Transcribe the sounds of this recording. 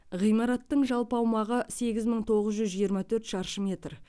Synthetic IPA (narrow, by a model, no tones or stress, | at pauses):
ʁijmɑɾɑt̪ːəɴʒɑlˠpɑwmɑʁəse̞ɡʲɪzməɴt̪ʰo̞ʁəzʒʏzʒijəɾmɑt̪ʰɵɾt̪ʃɑɾʃəmʲe̞t̪r